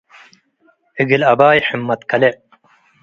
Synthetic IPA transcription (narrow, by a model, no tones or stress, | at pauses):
iɡilɐbaːjħimːɐt̪kʰɐle